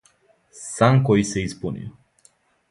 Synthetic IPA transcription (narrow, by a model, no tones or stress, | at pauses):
saŋkoiseispunṵ